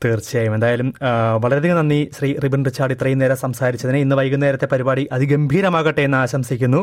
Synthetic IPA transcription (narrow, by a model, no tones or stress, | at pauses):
t̪eːrt͡ɕːijaːjume̞nd̪aːjɐlumʋɐɭɐɾeðiŋːnɐnːiɕriːribiɳɖrɨt͡ɕːaːɖit̪rijneːɾɐsɐmsaːɾit͡ɕːɐðineinːɨʋɐjkːunːɐeːɾɐt̪ːe̞pɐɾibaːɽiʔɐðiɡembʱiːɾɐmaːɣɐʈːejenːɨaːɕɐmsikʲːunːu